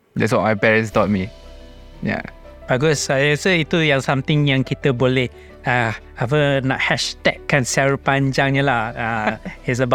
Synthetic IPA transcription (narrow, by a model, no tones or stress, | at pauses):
dɛtswɔt̚majpɛɹə̃nstɔt̚mi | ja̰ | b̥aɡɔsaɛsəit̪ujãŋsãmt̪ɪ̃ŋjãŋkit̪əbolɛh | a | avəna̰ʔhɛʃt̪ɛkːãnsiaɾəpaɲd͡ʒãŋɲəlahaɪs̬əba